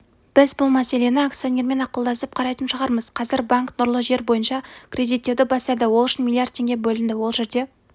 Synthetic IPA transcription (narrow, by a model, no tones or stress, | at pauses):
b̥ɪzbʊlˠmæse̞le̞nɪak̚t̪sijo̞ne̞ɾme̞nɑqəlˠd̪ɑsəp̚qʰɑɾɑjt̪ənʃəʁɑɾməz̥qʰɑzɪɾbaŋknʊɾlˠəʒe̞ɾbo̞jənʃɑkʲrʲe̞d̪it̪ːe̞wd̪ɪbɑsɑd̪əwolˠʏʃɪnmilˠijard̪̚tʰːe̞ŋɡʲe̞bɵlɪnd̪ɪwo̞lˠʒe̞ɾd̪e̞